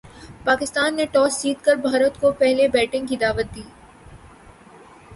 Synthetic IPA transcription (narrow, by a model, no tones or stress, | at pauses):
paːkɪst̪aːnːeʈɔːsd͡ʒiːt̪kəɾbʱaːɾət̪kopɛɦlebɛːʈɪ̃ŋɡkid̪aːʋət̪̚d̪iː